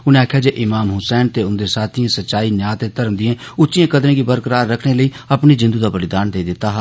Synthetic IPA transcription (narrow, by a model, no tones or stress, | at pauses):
ʊnẽːaːkʰjaːd͡ʒeːʔɪmaːmɦʊsɛːnt̪eːʊnd̪eːsaːt̪ʰĩãːsətːʃaːiːnjaːt̪eːt̪əɾəmd̪ɪẽːʊt̪ːʃɪjẽːkəd̪ɾẽːɡibəɾkəɾaːɾːəkʰneːləiː | əpniːzɪ̃nd̪uːd̪aːpəlɪd̪aːnd̪eːiːd̪ɪt̪ːaːɦaː